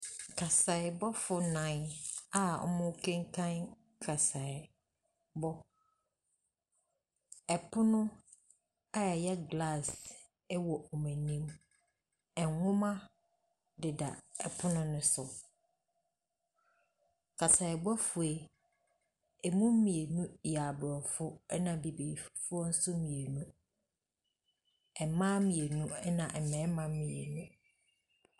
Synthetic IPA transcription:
kʰa˨sa˨ɪ˨bɔ˦fʊ˨nã˨na˨ɔ̰˦mʊ̃˦kʰɛ̃˦ŋkʰã˦n | kʰa˨sa˨ɪ˨ | bɔ˦ | ɛ˨pʰʊ˦nʊ̃˦ | a˦jɛ˨jɛ˦ɡla˦˨s | ɛ˦wɔ˨ɔ˨mẽ˨nĩ˦m | ɛ̃˨ŋŋʊ̃˦mã˦ | dɪ˨da̰˨ɛ˨pʰʊ˦nʊ̃˦nʊ̃˦sʊ˨ | kʰa˨sa˨ɛ˨bɔ˦fʊ˨e˦ | ɛ˨mũ˦m̩˦mĩ˨e˨nũ˦˨a˨bɾɔ˨fʊ˦ɛ˦nã˨bi˨bi˨i˨fʊ˦ɔ˦n̩˦sʊ˦mĩ˨e˨nũ˦ | ɛ˨mã˦mĩ˨e˨nũ˦ɛ˦nã˨ʔɛ˨mɛ̃˨˦mã˨m˦mĩ˨ḛ˨nũ˦

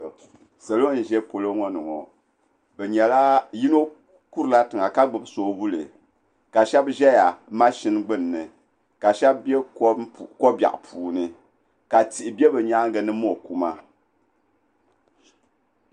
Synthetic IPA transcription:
sɛ˨lo˦n̩˨ʒɛ˦po˨lo˦ŋɔ˦nɨ˨ŋɔ˨ | bɛ˨ɲɛ˨la˦ji˦no˦ | ku˦ɾɨ˨la˦tɨ˨ŋa˨ka˦ɡ͡bɨ˨bsoː˨˦bu˦lɨ̰˨ | ka˨ʃɛ˦bʒɛ˦ja˨ma˦ʃi˦nɡ͡bɨ˦˨nː˨ɨ˨ | ka˨ʃɛ˦b̚bɛ˦˨ | ko˦ba̰˨ʔpʰuː˨nɨ˦ | ka˨ti˨ʔi˨bɛ˦bɛ˨ɲa˦ŋ˦ɡɨ˨nɨ˦mo˦˨ku˦ma˦

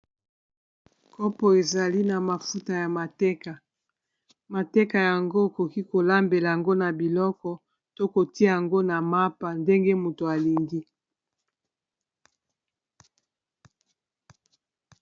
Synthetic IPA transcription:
kɔ˦pɔ˨e˨za˨li˦na˨ma˨fu˦ta˨ja˨ma˨tɛ˦ka˨ | ma˨tɛ˦ka˨ja˨ŋɡo˦e˨ko˨ki˦ko˨la˦mbe˨la˨ja˨ŋɡo˦na˨bi˨lɔ˦kɔ˨ | to˦ko˨ti˦a˦ja˨ŋɡo˦na˨ma˦pa˨nde˦ŋɡe˦mu˨to˨a˨li˨ŋɡi˦

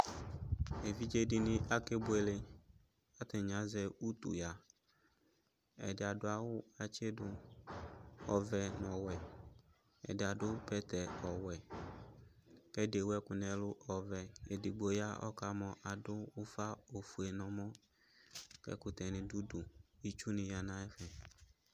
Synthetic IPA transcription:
e˨vi˦d͡ʒe˦dɪ˨nɪ̃˦ʔa˦ke˦bʊ˦e˨le˨ | a˦t̪ɪ˨ɲã˨zɛ˨u˦t̪ṵ˨ja˨ | ɛ̰˨dɪ˨a˨dʊ˦a˨wʊ˦a˨t͡ʃe˦dʊ˦ | ɔ˨vɛ˨nɔ̃˨wɛ˨ | ɛ̰˨dɪ˨a˨dʊ˦pɛ˦t̪ɛ˨ɔ˨wɛ˨ | kɛ˦de˨wɛ˦kʊ˨nɛ̃˨lʊ˦ʔɔ˨vɛ˨ɛ˨dɪ˨ɡ͡bo˨˦ja˦ɔ̰˦ka˨mɔ˨ʔa˨dʊ˦wʊ˦fa˦o˨fu˨e˨nɔ̃˨mɔ̃˦ | kɛ̰˦kʊ˨t̪ɛ˨nɪ̃˨du˦dʊ˨i˦t͡ʃu˦nɪ̃˨ja˨nã˦ɛ˦fɛ˨

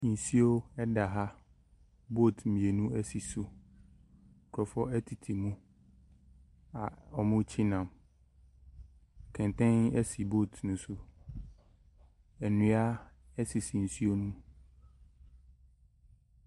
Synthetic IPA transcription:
n̩˨si˦o˦ɛ˦da˨ɦa˦ | bo˦˨tʰmĩ˨e˨nũ˦ɛ˦si˨su˦˨ | kʰɔ˨fɔ˦ʔɛ˦tʰi˨tʰi˨mũ˦ | a˨ɔ˨mʊ̃˦t͡ɕʰi˦nã˨m | kʰɛ̃˨n˨tʰɛ̃˦nɛ˦si˨bo˦˨tʰnʊ̃˨sʊ˨ | ɛ˨nũ˦a˦ | ɛ˦si˨si˨n̩˨su˦o˦nũ˦

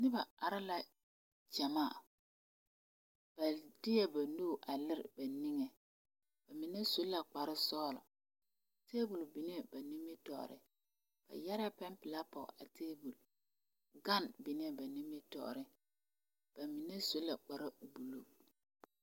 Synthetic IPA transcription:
nɪ˦ba˨a˨ɾɪ˦la˨ | d͡ʒa˨maː˦˨ | b̥a˨dɪ˦jɛ˦ba˨nu˦˨ʔa˨lɪ˦ɾɪ̰˨ba˨nɪ˦ŋɛ˨ | b̥a˨mɪ˨nɛ˦sʊ˦lːa˨k͡pa˨ɾɪ˦sɔː˦lɔ̰˨ | teː˦bu˨lbɪ˨n˦ɛ˦˨ba˨nɪ˦mɪ˦tɔ˨ʔɾɪ̰˦ | b̥a̰˨ja˦ɾa˦pɛ˦mpɪ˨la˦pɔ̰˨a˨tʰeː˦bu˨l | ɡa˦nbɪ˨n˦ɛ˦ba˨nɪ˦me˦tɔ̰˨ʔɾɪ˦ | b̥a˨mɪ˨nɛ˦sʊ˦lːa˨k͡pa˨ɾa˦˨bu˨lo˦

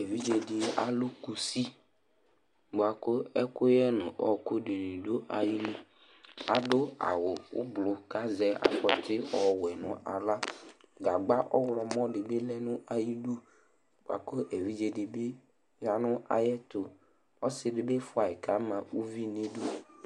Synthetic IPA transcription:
e˨vi˦d͡ʒe˨dɪ˨a̰˨lʊ˦ku˨si˦ | bʊ˨a˨ko˦ɛ˦kʊ˦jɛ˦nʊ̰̃˨ʔɔ˨kʊ˦ɖe˨nĩ˨do˦ʔa˨ji˦nũ˦ | a˨ɖʊ˦a̰˨wʊ˨ʊ̰˦blʊ˨ka˦zɛ˦a̰˨fɔ˨t̪ɪ˦ɔ˨wɛ˨nʊ̰̃˨ʔa̰˨la˦ɡa˨ɡ͡ba˦ʔɔ̰˦wlɔ˨mɔ̃˦ɖɪ˨be˦lɛ˦nʊ̃˦a˨ji˦du˦ | bo˨a̰˨ko˦ʔe˨vi˦d͡ʒe˨dɪ˨be˦ | ja˨nʊ̃˦ʔa̰˨jɛ˦t̪ʊ˨ | ɔ˦sɪ˦dɪ˨be˦fʊ˦a˨e˨ka˨˦mã˨u˦vi˦nẽ˦du˦

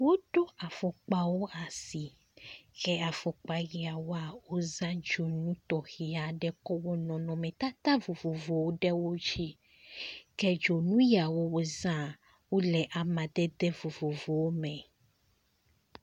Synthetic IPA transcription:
wo˦ɖo˦a˨fɔ˨k͡pa˨wo˦a˨si˨ | kɛ˦a˨fɔ˨k͡pa˨ji˨a˨wo˦a˨wo˦zã˦d͡ʒo˨nũ˦t̪ɔ˨xi˨a˨ɖɛ˦kɔ˦wɔ˦nɔ̃˨nɔ̃˨mɛ̃˨t̪a˦t̪a˦vo˨vo˨vo˨wo˦ɖɛ˦wo˦d͡ʒi˦ | kɛ˦d͡ʒo˨nũ˦ji˦a˨wo˦wo˦zã˦ | wo˦lɛ˨ʔa˨mã˨d̪ɛ˦d̪ɛ˦vo˨vo˨vo˨wo˦mɛ̃˨

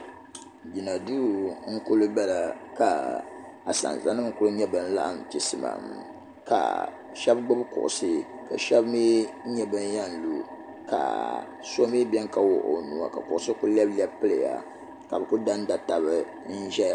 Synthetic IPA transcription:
d͡ʒi˨na˨du˦ŋ̩˦kʊ˦lɨ˦bɛ˦la˨ka˨ | a˨sa̰˨n˨za˨˦nɨ˦m˦kʊ˦ɾɨ˦ɲɛ˦bɨ˦n̩˦la̰˦ʔm˨ti˨sɨ˨ma̰˨m | ka̰˨ | ʃɛ˦bɡ͡bɨ˦bkʊ̰˨ʔʊ̰˨sɨ˦ | ka˨ʃɛ˦bmi˦ɲɛ˦bɨ˦n˦ja˦nlu˨ | ka̰˨ | so˦mi˦bɛ˦ŋka˦wʊ̰˨ʔo̰˨nu˨a̰˨ka̰˨kʊ˨ʔʊ˨sɨ˦ku˦lɛ˦blɛ˦pɨ˦lɨ˨ja̰˨ | ka˨bɨ˨ku˦da˦n˦da˨ta˨bɨ˦ | n̩˦ʒɛ˦

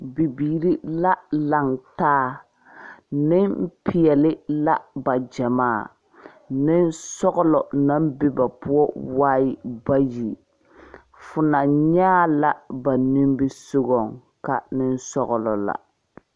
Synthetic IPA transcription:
bi˨biː˨ɾi˦la˦la˨ŋtaː˦ | nɪ˦pɪ˨jɛ˨lɪ˦la˦ba˨d͡ʒa˨maː˦˨ | nɪ˦nsɔ˦ɣɔ˦lɔ˨na˦m˦bɪ˦ba˨pʊ˦ɔ˦waː˦ɪ˦ba˦ji˨ | fʊ˨na˨ɲaː˦la˦ba˨ni˦mbɪ˦so˦ɡɔ˨ŋ | ka˦nɪ˦nsɔ˦ɣɔ˨lɔ̰˨la̰˨

